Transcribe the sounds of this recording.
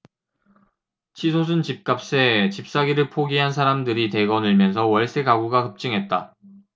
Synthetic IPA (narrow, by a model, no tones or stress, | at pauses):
t͡ɕʰisʰosʰɯnt͡ɕip̚k͈ap̚s͈et͡ɕip̚s͈aɡiɾɯɭpʰoɡiɦansʰaɾamdɯɾite̞ɡʌnɯɭmjʌnsʰʌwʌɭs͈eɡaɡuɡakɯp̚t͡ɕ͈iŋɦe̞t̚t͈a̰